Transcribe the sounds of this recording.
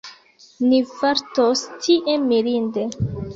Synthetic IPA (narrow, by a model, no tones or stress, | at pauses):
nifaɾtostʰiʔemːiɾinde